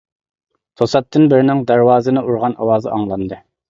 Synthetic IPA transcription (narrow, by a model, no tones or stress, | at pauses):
t̪ʰosɑt̪ʰːɨnbɪɾnɪŋd̪æɾwɑːzɨnɨʔuɾʁɑnʔɑ̰wɑːzɨ̰ʔɑŋlˠɑnd̪ɨ